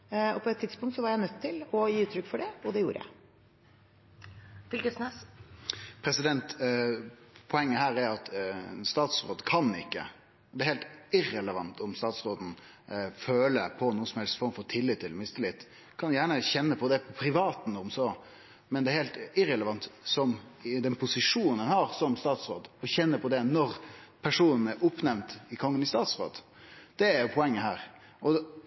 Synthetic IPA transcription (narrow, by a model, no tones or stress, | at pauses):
ɔpʰɔɛt̪ʰːɪd̪spʊŋt̪sɔʋɑɾjæɪnœt̪ʰːɪlɔjiːʉːt̪ʰːɾʏkːfɔɖɛɔd̪ɛjuːɾəjæ̰ɪ | fɪlkəsnes | pʰɾɛsɪd̪ɛnt̪ | pʰɔɛŋːəɦæːɾæɾɑt̪st̪ɑːt̪sɾo̰ːd̪kʰɑnɪ̰kːə̰ | ɔd̪ɛæɾheːlt̪ɪrɛləʋɑnt̪ʰɔmst̪ɑːt̪sɾoːd̪n̩ | føːləpʰɔnuːəsɔmhɛlst̪fɔɾmfɔɾt̪ʰɪlːɪt̪ʰːɪlːmɪst̪əlɪt̪ː | kʰɑnjæːɳəçɛnːəpʰɔd̪ɛpʰɔpʰɾɪʋɑːt̪n̩ɔmsɔ | mɛnd̪ɛæɾhelt̪ɪɾɛləʋɑnt̪sɔmɪd̪ɛnpʰʊsɪʂuːnn̩ənhɑɾsɔmst̪ɑːt̪sɾoːd̪ɔçɛnːəpʰɔd̪ɛnɔɾpʰæʂuːnən̩ɛɾʊpnɛʋnt̪ɪkʰɔŋːənɪst̪ɑːt̪sɾo̰ːd̪ | d̪̥ɛæɾjʊpʰɔɛŋːəɦæːɾ | ɔ